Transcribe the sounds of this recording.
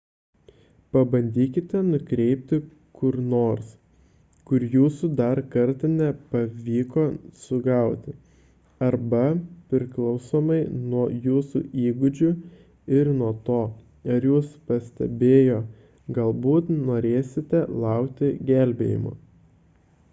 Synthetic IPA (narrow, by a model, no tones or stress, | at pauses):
pɐbɐnʲd̪ʲiːkʲɪt̪ʲɛnʊkɾʲɛɪpʲt̪ʲɪ | kʊɾnoːɾs | kʊɾjuːsud̪ɐɾkɐɾt̪ɐnʲɛpɐʋʲiːkoːsʊɡɐˑʊt̪ʲɪ | ɐɾbɐpʲɾʲɪklˠɐʊsoːmɐɪnuɔjuːsṵːʔiːɡʊd͡ʒʲʊ | ɪɾnuɔt̪oː | ɐɾjuːspɐsʲt̪ʲɛ̰bʲeːjoː | ɡɐlˠbuːt̪noːɾʲeːsʲɪt̪ʲɛlˠɑˑʊkt̪ʲɪɡʲælʲbʲḛːjɪ̰mo̰ː